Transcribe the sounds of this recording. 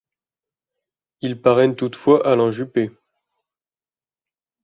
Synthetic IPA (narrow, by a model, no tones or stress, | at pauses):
ilpaʁɛnt̪ut̪fwaʔalɑ̃ʒype